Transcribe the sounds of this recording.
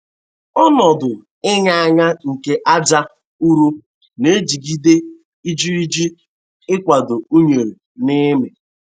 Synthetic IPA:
ɔ˦nɔ˨dʊ˨ | ɪ˦ɲa˦a˦ɲa˦ŋ̩˨ke˦ʔa˦d͡ʒa˦ | u˦ɾu˦ | ne˦d͡ʒi˨ɡi˦de˦ | i˦d͡ʒi˦ɾi˦d͡ʒi˦ | ɪ˦kʷa˨dʊ˨u˦ɲe˨ɾe˨ | nɪ˦me˨

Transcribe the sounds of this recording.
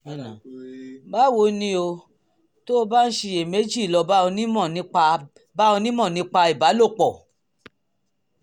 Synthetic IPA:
ba˦˨wo˧nĩ˧o˧ | to˦o˧ba˦n̩˦ʃe˧je˨me˨˦d͡ʒi˦˨lɔ˧ba˦o˧nĩ˦mɔ̃˦˨nĩ˧˦˧ | ba˦o˧nĩ˦mɔ̃˦˨nĩ˨˦k͡pa˧i˨ba˨˦lo˦˨k͡pɔ˨

